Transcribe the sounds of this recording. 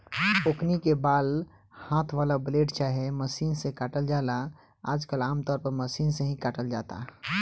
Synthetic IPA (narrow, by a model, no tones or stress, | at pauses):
oknikebaːl | hãːt̪ʰʋaːlableːɖt͡ʃaːɦeməsiːnsekaʈəld͡ʒala | a̰ːd͡ʒkəlaːmt̪ɔːɾpəɾməsiːnsẽɦĩkaʈəld͡ʒaːt̪a̰